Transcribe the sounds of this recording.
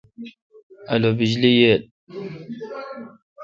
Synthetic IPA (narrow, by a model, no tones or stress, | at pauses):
alobid͡ʒlijel